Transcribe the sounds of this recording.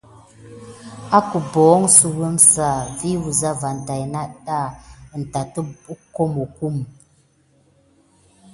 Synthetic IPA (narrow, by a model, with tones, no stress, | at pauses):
a˦ku˨bɔː˨˦ŋsu˨ɣə˦msa˨vi˦wu˨za˦va˨n̩˨ta˨jna˦ɗa˦˨n̩˨ta˨tə˦bu˦ko˦mo˨ku˦˨m